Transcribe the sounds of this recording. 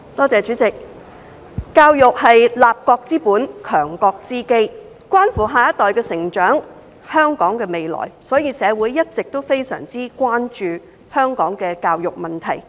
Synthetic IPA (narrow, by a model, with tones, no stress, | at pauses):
t̪ɔː˥t͡sɛː˨˧t͡ʃyː˨˥t͡sɪ˨˩k̚ | kaː˧wjʊ˨k̚hɐ˨jlaː˨p̚kɔː˧k̚t͡siː˥puː˨˥nkʰœː˨˩ŋkɔː˧k̚t͡siː˥ke˥j | kwaː˥nfuː˨˩ɦaː˨jɐ˥t̪ɔː˨jkɛː˧sɪ˨˩ŋt͡ʃœː˨˥ŋ | hœː˥ŋkɔː˨˥ŋkɛː˧me˨jlɔ̰ː˨˩jsɔː˨˥jiː˧sɛː˨˧wuː˨˥jːɐ˥t̚t͡sɪ˨k̚t̪o˥wfe˥jsœ̰ː˨˩ŋt͡siː˥kwaː˥nt͡ʃyː˧ | hœː˥ŋkɔː˨˥ŋkɛː˧kaː˧wjʊ˨k̚mɐ˨nt̪ʰɐ̰˨˩j